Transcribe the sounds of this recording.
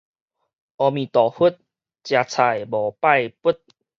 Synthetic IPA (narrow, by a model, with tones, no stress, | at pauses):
ʔɔ˧mĩ˨˩t̪ɔː˨˩hu˦˥t̪̚ | t͡ɕjaː˧t͡sʰa˧˩jbɔː˨˩pa˥˧˨jpu˦˥t̪̚